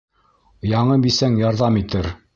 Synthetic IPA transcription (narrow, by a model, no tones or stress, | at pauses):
jɑɴɤbisæŋjɑɾðɑmit̪ɘɾ